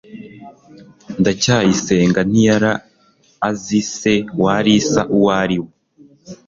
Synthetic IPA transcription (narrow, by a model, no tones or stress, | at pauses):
ndacaːjise̞ːŋɡan̥ijaɾaː | zise̞waːɾisaʔuwaɾiwe